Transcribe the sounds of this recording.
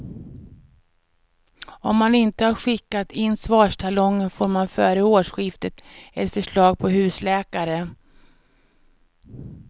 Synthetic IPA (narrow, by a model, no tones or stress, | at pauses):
ɔmːanɪnt̪əhaɾɧɪkːat̪ɪnːsvɑːʂʈʰalɔŋːənfoːɾmanfœːɾəoːʂɧɪft̪ət̪ɛt̪fœʂɭɑːɡ̚pʰɔɦʉ̟ːslɛːkaɾə